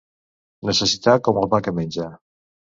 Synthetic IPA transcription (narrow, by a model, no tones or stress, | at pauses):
nəsəsit̪akɔmɔmakəmenʲd͡ʒa